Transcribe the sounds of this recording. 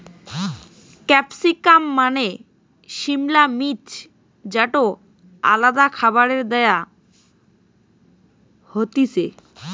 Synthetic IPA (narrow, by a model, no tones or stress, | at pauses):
kɛpsikamːane | ʃimlamit͡ɕ | d͡ʑaʈo | a̰lad̪akʰabaɾeɾd̪ɛja | hot̪isḛ